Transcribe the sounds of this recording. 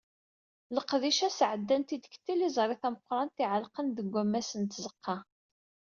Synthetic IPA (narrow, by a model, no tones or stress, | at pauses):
ləqðiʃæsʕəd̪ːænt̪id̪kə̥t̪ːilizˤɾˤiθæməqɾˤɑnt̪iʕəlqənðəɡʷːæmːæsənt̪zəqʰːɑ